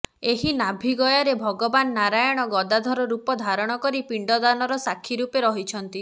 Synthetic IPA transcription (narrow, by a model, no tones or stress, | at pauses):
eɦinabʱiɡɔjaɾebʱɔɡɔbanːaɾajɔɽ̃ɔɡɔd̪ad̪ʱɔɾɔɾupɔd̪ʱaɾɔɽ̃ɔkɔɾipiɳɖɔd̪anɔɾɔsakʰːiɾupeɾɔɦit͡ʃʰɔnt̪i